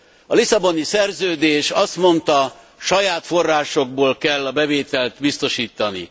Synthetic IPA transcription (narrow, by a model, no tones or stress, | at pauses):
ɒlisɒbo̞nisɛrzøːd̪eːʃɒst̪mo̞nt̪ɒ | ʃɒjaːt̪fo̞rːaːʃo̞ɡ̚boːlkɛlːɒbɛveːt̪ɛlt̪bist̪o̞ʃiːt̪ːɒnḭ